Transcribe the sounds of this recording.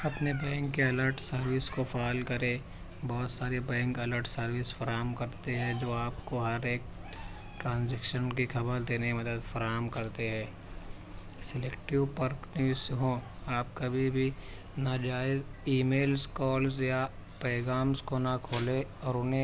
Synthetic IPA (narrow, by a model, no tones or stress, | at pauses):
ɐpnebɛ̃ːŋkːeɐləɾʈsɐɾʋɪskofaːlkɐɾẽ | bɔːt̪saːɾebɛ̃ːŋkɐləɾʈsɐɾʋɪsfɐɾaːɦmkɐɾt̪eɦɛ̃d͡ʒoːaːpkoɦɐɾeːk | ʈɾãːnzɛːkʃənkixʰɐbəɾd̪eːneimɐd̪əd̪fɐɾaːɦmkɐɾt̪eɦɛ̃ː | sɪlekʈiʋpɐɾknɪʋɪsɦõ | aːpkɐbʱibʱi | nad͡ʒaːɪziːmeːlskɔːlsjapɛːɡaːmskonakʰoːleɔːɾʊnẽ